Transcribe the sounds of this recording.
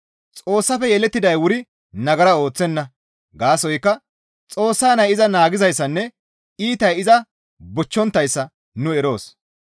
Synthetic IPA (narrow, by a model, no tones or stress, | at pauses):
t͡sʼo̞ːsːɐfɛjɛlɛt̪ːɪd̪ɐjwʊɾɪ | nɐɡɐɾɐo̞ːt͡sːɛnːɐ | ɡaːsɔjkːɐ | t͡sʼo̞ːsːaːnɐjɪzɐnaːɡɪzɐjsːɐnːɛ | iːt̪ɐjɪzɐ | bʊt͡ʃːɔnt̪ːɐjsːɐ | nʊɛɾo̞ːs